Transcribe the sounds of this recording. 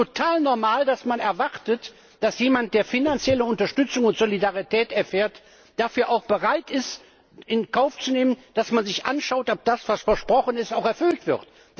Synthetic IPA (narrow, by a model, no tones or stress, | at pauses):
otʰaːlnɔɐmaːldasmanɛɐvaʁtət | d̥asjeːmant̚d̥eːɐfinant͡sjɛləʊntɐʃtʏt͡sʊŋʊntz̥olidaʁitʰɛːtɛɐfɛːɐt | d̥afyːɐʔaʊxb̥əʁaɪtɪst | ɪnkaʊft͡suneːmənd̥asmanzɪçʔa̰nʃaʊtɔp̚d̥asv̥asfɛɐʃpʁ̥ɔχənɪstaʊxɛɐfʏltv̥ɪɐt